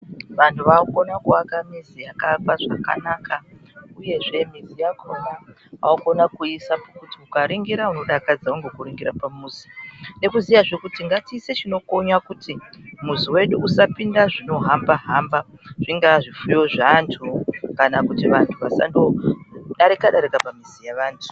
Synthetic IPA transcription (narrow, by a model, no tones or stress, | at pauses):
ʋantʰuʋauko̞nakuakamizijakakwaʐa̰ka̰naːkʰa | uje̞ʐe̞mizijakoma | a̰uko̞nakuisapakutiukaɾiŋɡiɾauno̞ɗakad͡zauŋɡekuɾiŋɡiɾapamuːzi̥ne̞kuzijaʐekutiŋɡatiːse̞t͡ʃino̞ko̞ɲakutimusiwe̞ɗuːsapindaʐino̞ɦambaɦambaʐ̥iŋɡaʐifujo̞ʐantʰukanakutiʋantʰuʋasa̰ndoɗaɾikaɗaɾikapamisijaʋaːntʰu̥